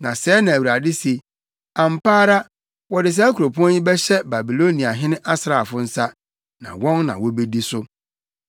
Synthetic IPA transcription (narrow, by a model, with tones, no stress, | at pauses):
nã˨sɛː˨˦nã˨æ˨wu˨ɾa˨dɪ˦se˨ | ã˨m̩˨paː˦ɾa˦ | wɔ˨dɪ˨s̬ɛ˦æ˦kʰu˨ɾo˨pʰʊ˦ɔ̃˦nji˦bɛ˦ɕɛ˦ba˨bi˨lo˦nĩ˨a˨ɦɪ̃˦nɪ̃˦ʔa˦sɾa˨fʊ˦n̩˦sa˦ | nã̰˨wɔ̃˦nnã̰˨wɔ˦be˦di˦sʊ˦